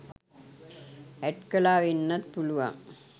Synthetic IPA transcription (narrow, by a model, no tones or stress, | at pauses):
æʈkɐlaːʋinːɐt̪puluʋa̰ŋ